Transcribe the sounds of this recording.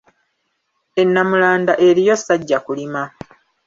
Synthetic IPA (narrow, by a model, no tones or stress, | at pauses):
e̞nːamulaːndaʔe̞ɾijo̞sːaɟːakulima